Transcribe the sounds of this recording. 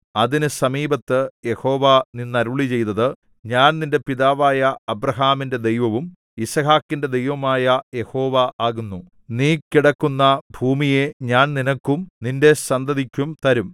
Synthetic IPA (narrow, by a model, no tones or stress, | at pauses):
ɐðinɨsɐmiːbɐt̪ːɨje̞ho̞ːʋɐninːɐɾuɭit͡ɕe̞jt̪ɐðɨ | ɲaːnninde̞piðaːʋaːjɐːbɾɐɦaːminde̞d̪e̞jʋɐʋum | isɐɦaːkːinde̞d̪e̞jʋɐmaːjɐje̞ho̞ːʋɐʔaːɣunːu | niːkiɽɐkːunːɐbʱuːmije̞ɲaːnninɐkːumninde̞sɐnd̪ɐðikʲːumt̪ɐɾum